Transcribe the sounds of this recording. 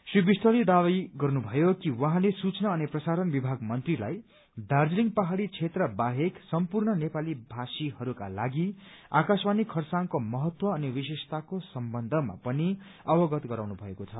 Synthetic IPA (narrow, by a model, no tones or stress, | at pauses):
sribist̪ʌlid̪awajɡʌrnubʱʌjokiwʌ̃ɦãlesut͡snʌːniprʌsaɾʌnbibʱaɡmʌnt̪rila̰j | d̪ʱard͡zliŋpaɦaɽit͡sʰet̪rʌbaɦeksʌmpurnʌnepalibʱasiɦʌɾuka̰la̰ɡi | a̰kaswanikʰːʌrsaŋkomʌɦʌt̪wʌːniwisesʌ̥t̪akosʌmbʌnd̪ʱʌma̰pʌni | ʌwʌɡʌt̪ɡʌɾawnubʱʌekot͡sʰʌ